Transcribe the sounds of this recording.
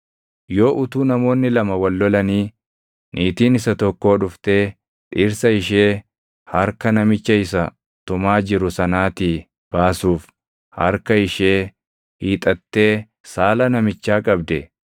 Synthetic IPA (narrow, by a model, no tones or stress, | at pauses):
jo̞ːʔʊt̪uːnɐmo̞ːnːɪlɐmɐwɐlːɔlɐniː | nʔiːt̪iːnɪsɐt̪ɔkːo̞ːᶑʊft̪e̞ː | ᶑʼɪɾsɐɪʃe̞ː | hɐɾkɐnɐmɪt͡ʃːɐɪsɐ | t̪ʊmaːd͡ʒɪɾʊsɐnaːt̪iː | b̥aːsuːf | hɐ̰ɾkɐɪʃe̞ː | hiːt̪ʼɐt̪ːe̞ː | saːlɐnɐmɪt͡ʃːaːkʼɐbd̪ɛ